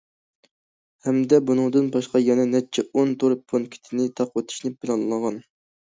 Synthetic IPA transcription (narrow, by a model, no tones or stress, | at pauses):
hɛmd̪ɛbunɨŋd̪ɨnbɑʃqɑjɛnɛnɛt͡ʃʰɛont̪ʰoɾpʰonkʲʰi̥t̪ʰɪnɪt̪ʰɑqwot̪ʰi̥ʃnɪpʰɪlˠɑnlˠlˠʁɑn